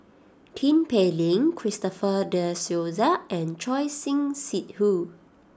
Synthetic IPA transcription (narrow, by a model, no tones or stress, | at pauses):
tʰĩmpelĩŋkʰɹistɔfədəsjozəʔɛ̃nt͡ʃɔjsĩŋsit̚hu